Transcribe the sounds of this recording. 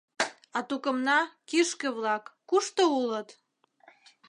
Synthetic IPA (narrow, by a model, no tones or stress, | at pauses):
ɑt̪ukə̆mnɑkiʃkə̆βlɑkːuʃt̪oulət̪